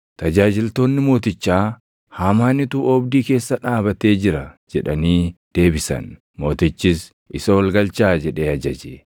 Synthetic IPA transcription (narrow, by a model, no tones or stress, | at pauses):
t̪ɐd͡ʒaːd͡ʒɪlt̪o̞ːnːɪmo̞ːt̪ɪt͡ʃːaː | haːmaːnːɪt̪uɔbd̪iːke̞ːsːɐᶑaːbɐt̪e̞ːd͡ʒɪɾɐd͡ʒɛᶑɐniːd̪̥e̞ːbɪsɐ̰n | mo̞ːt̪ɪt͡ʃːɪs | ʔɪsɐwɐlɡɐlt͡ʃaːd͡ʒɛᶑe̞ːɐd͡ʒɐd͡ʒeː